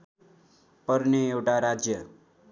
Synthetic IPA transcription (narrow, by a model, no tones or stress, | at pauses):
pʌɾneewʈaɾad͡ʒjə